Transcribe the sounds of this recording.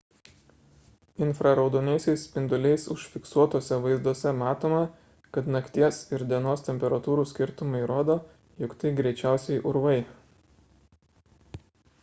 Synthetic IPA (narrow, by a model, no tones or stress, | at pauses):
ɪnfɾɐɾɐʊd̪oːnʲɛɪsʲɛɪspʲɪnd̪ʊlʲɛɪsʊʃʲfʲɪksuɔt̪oːsʲɛʋɐɪzd̪uɔsʲɛmɑːt̪oːmɐ | kɐt̪nɐkʲt̪ʲiɛsɪɾd̪ʲiɛnoːst̪ʲɛmʲpʲɛɾɐt̪uːɾuːsʲkʲɪɾt̪ʊmɐɪɾoːd̪oː | jɔkt̪ɐɪɡɾʲɛɪt͡ʃʲæˑʊsʲɛɪʔʊɾʋɐɪ